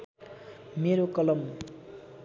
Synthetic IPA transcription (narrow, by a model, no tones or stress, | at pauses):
meɾokʌlʌmːu